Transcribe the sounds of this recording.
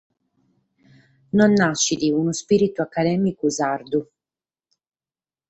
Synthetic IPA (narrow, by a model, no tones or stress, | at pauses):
nɔnːaʃːid̪iunuspiːɾit̪uakːad̪ɛːmikuzard̪u